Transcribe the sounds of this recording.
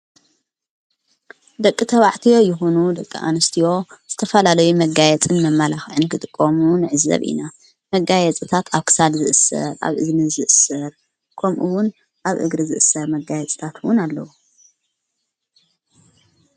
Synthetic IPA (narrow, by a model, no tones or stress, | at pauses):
d̪ɐkʼːit̪ʰɐβaʕt̪ʰijo̞jɪxonud̪ɐkʼːḭʔa̰nɨst̪ʰijo̞z̥ɨt̪ʰɐfɐlalɐjumɐɡajɛt͡sʼɨnmɐmːalaxʕɨnkʰɨt̪ʼɨkʼːomunɨʕɨzɐ̰βʔḭna | mɐɡajɛt͡sʼɨt̪ʰat̪ʰaβkʰɨ̥sad̪zɨʔɨsːɐ̰ɾa̰βʔɨznɨzɨʔɨsɐɾ | kʰɐmʔuwʊn | ʔaβʔɨ̰ɡɾɨzɨʔɨsːɐɾmɐɡajɛt͡sʼt̪ʰat̪wʊnalːɐ̰wu